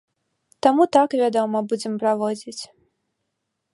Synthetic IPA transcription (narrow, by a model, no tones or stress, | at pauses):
t̪amut̪akvʲad̪ɔmɐbud͡zʲɛmpɾavɔd͡zʲit͡sʲ